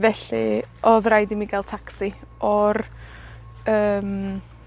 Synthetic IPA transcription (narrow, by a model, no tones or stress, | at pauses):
vɛɬɨɔðrajdɪmiɡɛlˠd̚tʰaksiʔɔr | əːm